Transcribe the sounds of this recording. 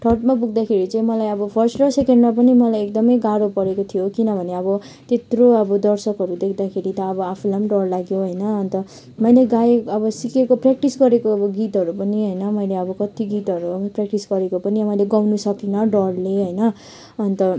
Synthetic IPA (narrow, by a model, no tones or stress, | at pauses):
ʈʰʌrʈmap̬uɡd̪akʰeɾit͡saĩmʌlajʌbʌpʰʌrsʈʈʌsekeɳɖmap̬ʌnimʌlajek̚d̪ʌmʌjɡaɾopʌɾekot̪ʰijokinʌbʱʌneʌbʌ | t̪et̪roʌbʌd̪ʌrsʌkɦʌɾud̪ekʰd̪akʰeɾit̪ʌːbʌapʰulamɖʌrlaɡjoɦʌjnʌʌnt̪ʌ | mʌjleɡaeʌbʌsikekoprak̚ʈisɡʌɾekoʌbʌɡit̪ɦʌɾupʌniɦʌjnʌmʌjleʌbʌkʌt̪iɡit̪ɦʌɾuʌprak̚ʈisɡʌɾekopʌnimʌjleɡawnusʌkinʌɖʌrleɦʌjnʌ | ʌnt̪ʌ